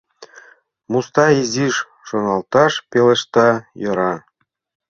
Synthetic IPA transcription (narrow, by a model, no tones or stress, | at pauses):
must̪ɑiziʃː | onɑlt̪ɑʃpeleʃt̪ɑjɤ̆ɾɑ